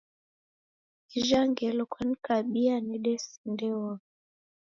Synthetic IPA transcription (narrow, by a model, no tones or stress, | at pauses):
iʒaŋɡɛlɔkʰwɛnikaɓianiɗɛsi̥ndɛwɔ